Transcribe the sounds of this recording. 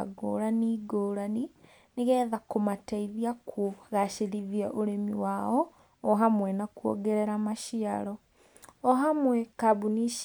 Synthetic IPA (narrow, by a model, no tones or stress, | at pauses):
a̰ɡo̰ːɾaniːɡoːɾani | neɣɛːðakomataiðiakwoɣaʃeɾiðiaʔoɾemiwaɔː | ɦamwɛnakuɔ̰ɡɛɾɛɾamaʃiaɾɔ | ɔɦamwɛkabuniʃ